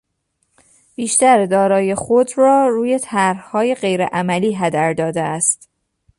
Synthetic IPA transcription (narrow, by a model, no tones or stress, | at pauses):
b̥iːʃt̪æɾd̪ɒːɾɒːjexod̪ɾɒːruːje̞t̪ʰæɾhhɒːjeɢe̞jɾḛʔæmæliːɦæd̪æɾd̪ɒːd̪eæst̪